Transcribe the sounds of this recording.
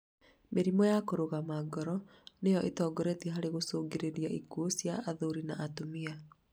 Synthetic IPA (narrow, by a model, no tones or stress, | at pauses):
meɾimɔjakoɾoɣamaɡɔɾɔ | nejɔʔetɔːɡoɾɛtiɛɦaɾeɣosoːɡeɾeɾiaʔikuosjaʔːðoɾinaʔːtomia